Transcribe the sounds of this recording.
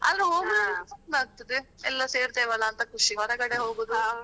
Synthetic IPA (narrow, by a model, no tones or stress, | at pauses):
ɐ̰d̪ɾeɦoːɡiɾsɐnaːɡ̚t̪ɐd̪eɛlːɐseːɾt̪eːʋɐlːɐːnt̪ɐkuʂiɡɦɔɾɐkɐɽeɦoːɡoːd̪u